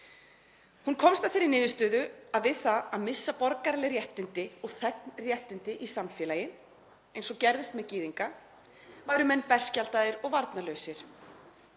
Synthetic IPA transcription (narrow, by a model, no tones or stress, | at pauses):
hunkʰɔmst̪aθfɪɾːɪɾnɪːðʏst̪œːðʏaðvɪðθaðaðmɪsːapɔɾkaɾlɪɾjɛht̪ɪnt̪ɪɔɣθɛt̪nrjɛht̪ɪnt̪ɪʔisamfjɛlajɪ | ejnsɔcɛɾðɪst̪mɛðciːðiŋka | vajɾʏmɛnːpɛr̥scalt̪aðɪɾɔɣvaɾt̪nalœːɥsɪɾ̥